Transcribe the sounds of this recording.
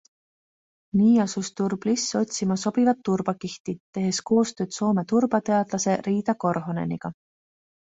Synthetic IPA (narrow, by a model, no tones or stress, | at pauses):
niːɑsust̪urb̥lisːo̞t̪ʲsimɑso̞b̥ivɑt̪ːurb̥ɑkiht̪it̪e̞ɦe̞sko̞ːst̪ø̞ːd̪̥so̞ːme̞t̪urb̥ɑt̪e̞ɑd̪̥lɑse̞riːd̪̥ɑko̞rɦo̞ne̞̰niɡ̥ɑ